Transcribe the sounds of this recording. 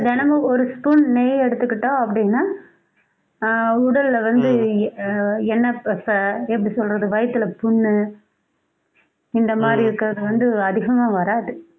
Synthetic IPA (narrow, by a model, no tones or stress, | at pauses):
dɛnɐmɐɔɾɯspunnɛjɛɽɯt̪ːɯkːɪʈːõːɐpːɐɽɪnːaː | ʊɽɐllɐʋɐnd̪ɯ | ɛnːɐpɐsɐɛp̬ːɐɽisɔlɾɐðɯʋɐjɐt̪ːɯlɐpʊɳːɯ | ɪnd̪ɐmaːd̪ɾiɪɾɯkːɯɾɐðɯʋɐnd̪ɯɐðɪɣɐmaːʋɐɾaːðɯ